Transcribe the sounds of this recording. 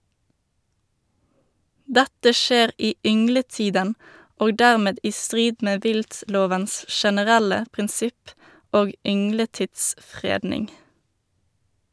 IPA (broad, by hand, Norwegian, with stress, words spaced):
ˈdætə ˈʃeːʁ ˈiː ˈʏŋləˌtiːdən ˈoːɡ ˈdæʁˌmeːd ˈiː ˈstʁiːd ˈmeː ˈʋɪltˌloːʋəns ʃɛnəˈʁælə pʁɪnˈsɪp ˈoːɡ ˈʏŋləˌtɪtsˌfʁeːdnɪŋ